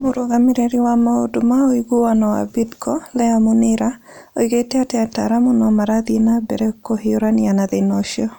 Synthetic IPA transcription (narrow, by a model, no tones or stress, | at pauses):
mʊɾoɡamɪɾeɾiwamaodʊmaoiɡowanɔa̰bidkʰɔlɛamʊnɪɾa | oiɡetɛatɛata̰ɾamʊnɔmaɾadinabɛɾɛkohioɾanianaðenɔʃjɔ